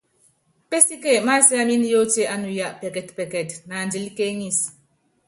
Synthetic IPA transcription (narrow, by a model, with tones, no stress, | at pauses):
pe˦si˦ke˦˨ma˦sɛ˦a˦mi˦n˦jo˦te˦ʔa˦nu˨ja˦ʔpɛ˨kɛ˨tpɛ˨kɛ˨tna˨ndi˨˦lke˦ŋi˦˨s